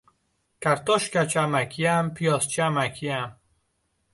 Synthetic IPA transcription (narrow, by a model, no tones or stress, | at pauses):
kæɾt̪ɔʃkæt͡ʃʰamækʰiæmpʰijɒst͡ʃæmækʰiæm